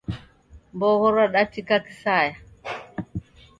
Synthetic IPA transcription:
mboɣoɾaɗatːikaki̥saja

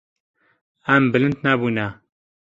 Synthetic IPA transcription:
æmbɨlɨnd̪nabuna

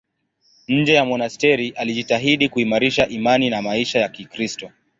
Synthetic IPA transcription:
ɲ̩d͡ʒɛjamɔnastɛɾiʔaliʄitaɦiɗikuimaɾiʃaʔimaninamaiʃajakikɾistɔ

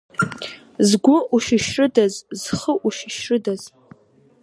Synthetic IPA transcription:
zɡʷʊʔuʃɪʃrɨdazz̥χəʔuʃɪʃrɨdaz̥

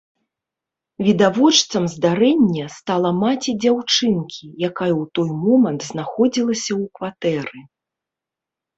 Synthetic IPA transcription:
vʲid̪avɔt͡ʂt̪sɐmzd̪aɾɛnʲːɐst̪alˠɐmat͡sʲid͡zʲawt͡ʂɨnkʲʰijakajɐwt̪ɔjmɔmɐnt̪znaxɔd͡zʲilˠɐsʲɐwkvat̪ɛɾɨ

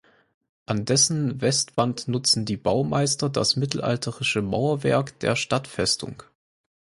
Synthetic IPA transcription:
ʔandɛsn̩vɛstv̥antnʊt͡sn̩diːbaʊma̰ɪstɐdasmɪtl̩ʔa̰ltʰəʁɪʃəma̰ʊɐvɛ̰ɐkd̥ḛːɐʃtatfɛstʰʊ̰ŋ

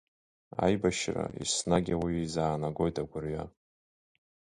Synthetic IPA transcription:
a̰jbaʃra̰ḭsnaɡʲawiizaːnaɡʷo̞jtʰaɡʷʊrɥa

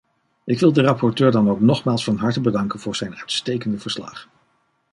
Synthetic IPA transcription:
ʔɪkʋɪlˠdərɑpʰɔɹtøːɹdɑnowknɔχmaːlˠsfɑnɦɑɹtəbədɑŋkənv̥ʊːɹz̥ɛjnœɥtstejkəndəv̥əɹslɑ̰χ

